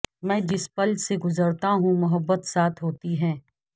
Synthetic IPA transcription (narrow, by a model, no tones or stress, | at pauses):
mɛ̃ːd͡ʒɪspəld͡ʒseɡʊzəɾt̪aɦũmʊɦəbːət̪saːt̪ʰɦoːt̪iɦɛ̃ː